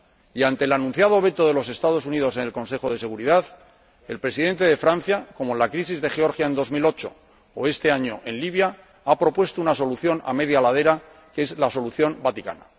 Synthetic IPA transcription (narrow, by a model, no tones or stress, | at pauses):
iant̪e̞ːlanũn̟θjað̞o̞β̞e̞t̪o̞ðe̞lo̞se̞st̪að̞o̞s̬uniðo̞s̬e̞nelko̞nse̞χo̞ð̞e̞se̞ɣ̞uɾiðað | e̞lpɾe̞siðe̞nt̪e̞ðefɾanθjako̞moenlakɾisizðe̞xe̞o̞ɾxjae̞nd̪o̞zmilo̞t͡ʃo̞̰ | oe̞st̪e̞aɲo̞ʔe̞nliβja | apɾo̞pwe̞st̪ounaso̞luθjo̞na̰me̞ð̞jalað̞e̞ɾa | ke̞zlaso̞luθjo̞mbat̪ika̰na̰